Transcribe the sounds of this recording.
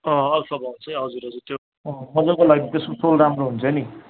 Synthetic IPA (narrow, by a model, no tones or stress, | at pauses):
ʌ̃ʌlsʌbʱʌwnt͡sʰʌjɦʌd͡zuɾɦʌd͡zurt̪jo | ʌ̃mʌd͡zʌkolaɡit̪esmosolramroɦunt͡sʰʌni